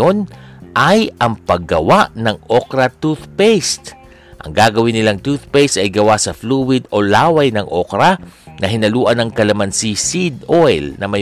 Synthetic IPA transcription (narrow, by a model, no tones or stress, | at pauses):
onʔɐjʔɐŋpɐɡɐwaʔnɐŋʔokɾɐt̪uθpejst̪ | ʔɐ̰ŋɡaːɡɐwɪnːɪlaŋt̪uθpejst̪ɐjɡɐwasɐfluːwɪd̪olaːwɐjnɐŋʔokɾɐnɐɦɪnɐluːʔɐnɐŋkɐlɐmansisid̪ojlnɐmɐj